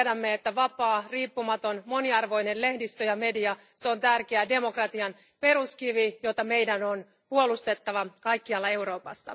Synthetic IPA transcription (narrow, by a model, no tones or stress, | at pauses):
dæmːeet̪ːæʋɑpɑːriːpːumɑt̪o̞nmo̞niɑrʋo̞jnellehdist̪øjɑme̞diɑ | seo̞nt̪ærkeæde̞mo̞krɑt̪iɑn | pe̞ɾuskiʋijo̞t̪ɑme̞jdæno̞n | puo̞lust̪e̞t̪ːɑʋɑkɑjkːiɑlːɑe̞uɾo̞ːpɑ̰sːɑ̰